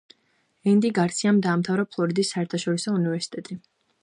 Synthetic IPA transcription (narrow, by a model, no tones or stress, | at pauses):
ɛnd̪iɡaɾt̪sʰiamd̪aːmt̪ʰavɾapʰlˠɔɾid̪isːaɛɾt̪ʰaʃɔɾisɔunivɛɾsi̥t̪ʼɛt̪ʼi